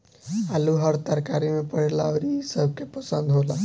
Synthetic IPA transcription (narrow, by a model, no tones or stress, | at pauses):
aluɦəɾt̪əɾkaɾimepəɽlaəɾisəb̚ʱkepəsənd̪ʱɦola